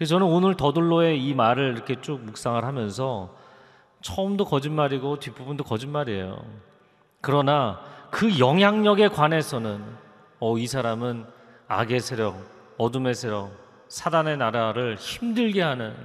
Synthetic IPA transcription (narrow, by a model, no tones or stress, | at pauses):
t͡ɕʌnɯnonɯɭtʌduɭːoe̞imaɾɯɭiɾʌkʰe̞t͡ɕ͈ok̚muk̚s͈aŋɯɭɦamjʌnsʰʌ | t͡ɕʰʌɯmdokʌd͡ʑinmaɾiɡotɥibubundokʌd͡ʑinmaɾiḛjo̰ | kɯɾʌnakɯjʌŋɦjaŋɲʌɡe̞kwane̞sʰʌnɯn | ʌisʰaɾamɯn | a̰ɡe̞sʰeɾjʌk̚ | ʌdume̞sʰe̞ɾjʌk̚ | sʰadane̞naɾaɾɯɭçimdɯɭɡe̞ɦanɯn